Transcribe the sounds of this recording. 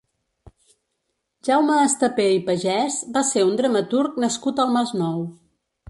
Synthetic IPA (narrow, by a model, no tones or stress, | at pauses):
ʒawməːst̪əpeipəʒɛzbaseund̪ɾəmət̪uɾknəskut̪əlˠmaznɔw